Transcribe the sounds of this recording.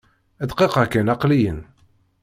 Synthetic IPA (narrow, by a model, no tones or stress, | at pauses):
æd̪qeqəkænɑqlijən